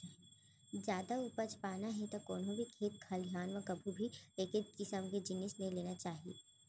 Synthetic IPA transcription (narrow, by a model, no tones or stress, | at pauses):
d͡ʒjaːd̪aupət͡ʃpaːnaɦɛt̪okoːnɦõbʱikʰeːt̪̚kʰɐljaːnʋəkɐbʱubʱileːkɪnkɪsəmked͡ʒɪnɪsnɐĩleːnat͡ʃaːɦiḛː